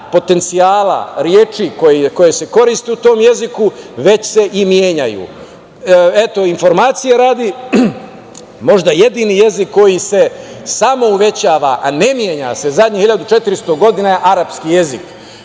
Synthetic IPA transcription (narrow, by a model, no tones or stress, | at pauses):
po̞t̪e̞nt̪siaːla̰ɾjeːt͡ʃikojeko̞jese̞ko̞ɾist̪eut̪o̞ːmje̞zikuʋe̞t͡ɕse̞ʔimjeːɲa̰jṵ | e̞t̪o̞info̞ɾmaːt̪sijeɾaːd̪i | mo̞ʒd̪aje̞d̪iːnije̞zikːo̞jise̞samo̞uʋe̞t͡ɕaːʋaʔane̞mjeɲase̞zad̪ɲihiʎad̪ut͡ʃe̞t̪iɾist̪oɡo̞d̪inajeʔaɾapskije̞zik